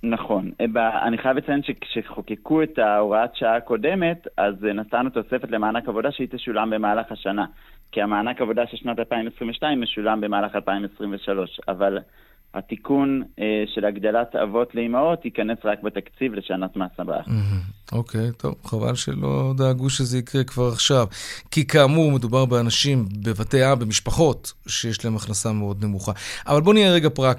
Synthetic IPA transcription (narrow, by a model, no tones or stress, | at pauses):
naχo̞nbaa̰niχajavlet͡sajenʃekʃeχo̞kekue̞taoʁaatʃaako̞deme̞t̪aznastanut̪o̞se̞fetlemaːnakavo̞daʃeit̪eʃulambe̞maːlaχaʃana | kiamaːnakavo̞daʃeʃnat̪alpaimesʁimveʃnaimːeʃulambe̞maːlaχalpaimesʁimveʃalo̞ʃa̰val | ha̰tikuneʃe̞laɡd̪alat̪a̰vo̞t̪leimaot̪hikanesʁakbet̪akt͡sivleʃanat̪maːsaba̰m̩ɦm̩o̞kʰejt̪ʰo̞̰vχava̰lʃḛlo̞̰d̪eaɡuʃezeikʁekvaʁaχʃavkikaːmuʁme̞dubaʁbeanaʃimbe̞vateabe̞miʃpaχo̞tʃejeʃlaemaχnasame̞o̞d̪ne̞muχaʔavalbo̞nijeʁeɡapʁak